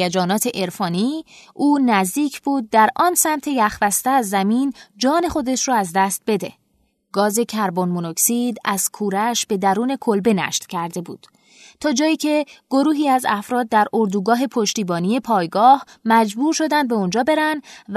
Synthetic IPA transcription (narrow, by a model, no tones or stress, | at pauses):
æd͡ʒɒːnɒːt̪ʰe̞ʔe̞ɾfɒːniːʔuːnæzd̪iːcʰb̥uːd̪̚ːæɾʔɒːnsæmt̪ʰe̞jæχvæst̪eæzːæmiːnd͡ʒɒːne̞xo̞d̪e̞ʃɾɔæzd̪æst̪̚be̞d̪e̞̰ | ɡ̥ɒːze̞cʰæɾbo̞nmonoksid̪æz̥kʰuːɾæʃbe̞d̪æɾuːne̞kʰo̞lbe̞næ̰ʃt̪cʰæɾd̪e̞buːd̪̥ | t̪ʰɒːd͡ʒɒːjiːcʰe̞ɡ̥o̞ɾuːɦiːæzæfɾɒːd̪̚ːæɾoɾd̪uːɡɒːɦe̞pʰo̞ʃt̪iːbɒːnije̞pʰɒːjɡɒːhmæd͡ʒbuːɾʃo̞d̪ænd̪̚be̞ond͡ʒɒːbe̞ɾænd̪v